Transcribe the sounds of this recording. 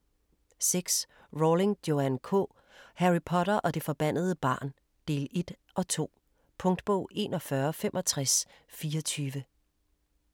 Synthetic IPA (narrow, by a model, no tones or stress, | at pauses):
seɡ̥s | ʁole̝ŋd̥jo̝ænkʰɔ̰ː | hæʁipʰɒ̽ɾɐʔɒ̽d̥e̝fɒ̽b̥æn̰ð̞ˠəb̥ɑ̈ːn | d̥e̝̰ːle̝d̥ | ʔɒ̽t͡sʰo̝̰ː | pʰɔ̽ŋd̥b̥ɔ̰ʊ̰ʔe̝ːnɒ̽fɶɐfemʔɒ̽t͡sʰʁasfiːɒt͡sʰyːʋə